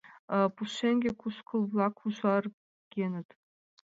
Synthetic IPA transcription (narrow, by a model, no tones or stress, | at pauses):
puʃeŋʲɡʲekʰuʃkʰɤ̆lˠblˠɑkʰuʒɑr | ɡʲenɘ̆t̪